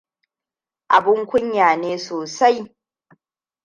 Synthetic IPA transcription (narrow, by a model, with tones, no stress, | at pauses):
ʔa˨bɪ˦ŋkʷʊ˦ɲjaː˨neː˦soː˨sa˦j